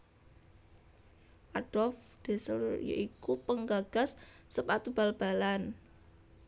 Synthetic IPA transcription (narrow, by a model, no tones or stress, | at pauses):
ʔad̥ɔlfd̥e̤səljo̰ʔikupəŋɡaɡ̥a̤sːəpat̪ub̥a̤lb̥a̤lan